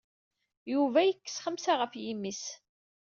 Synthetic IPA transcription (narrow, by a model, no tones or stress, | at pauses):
juvæjəkːə̥sχəmsaʁəfjimːis